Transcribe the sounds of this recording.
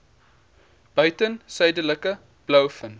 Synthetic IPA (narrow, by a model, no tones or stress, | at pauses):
b̥œɥtənsəjdələkə | b̥ləwfən